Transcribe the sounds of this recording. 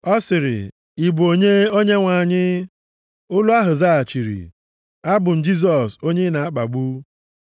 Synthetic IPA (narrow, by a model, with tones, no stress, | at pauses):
ɔ˦sɪ˨ɾɪ̰˨ | i˨bo˨ɲe˦o˦ɲe˦ŋʷa˨ɲɪ˦ | ʊ˦lʊ˦a˦ɦʊ˨za˦a˨t͡ʃi˨ɾḭ˨ | a˦bʊ˨n̩˨d͡ʒi˦s̬ɔ˨so˦ɲe˦na˨a˦k͡pa˨ɡ͡bu˦